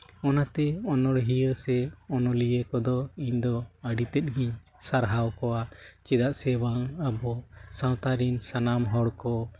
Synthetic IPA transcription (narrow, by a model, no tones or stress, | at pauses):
ɔnat̪ɛɔnɔɽɦijəsɛɔnɔlijəkɔd̪ɔiɲd̪ɔəɖit̪ɛt̪̚ɡiɲ | saɾɦawkɔwat͡ʃɛd̪aʔsɛbaŋabɔsãw̃t̪aɾinsanamɦɔɽkɔ